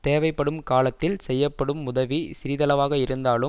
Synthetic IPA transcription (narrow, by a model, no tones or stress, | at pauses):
t̪eːʋɐɪpːɐɽɯmkaːlɐt̪ːɪlsɛjːɐpːɐɽɯmːʊðɐʋisɪɾɪðɐlɐʋaːɣɐɪɾɯnd̪aːlɯ